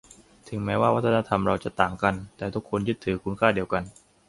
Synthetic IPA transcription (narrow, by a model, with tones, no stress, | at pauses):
t̪ʰɯ˩˦ŋmɛː˦˥waː˥˩wa˦˥t̪ʰːa˧na˧t̪ʰa˧mɾa˧wt͡ɕa˨˩t̪aː˨˩ŋka˧nt̪ɛː˨˩t̪ʰu˦˥kʰːo˧njɯ˦˥t̪ʰːɯː˩˦kʰu˧nkʰaː˥˩di˧əwka˧n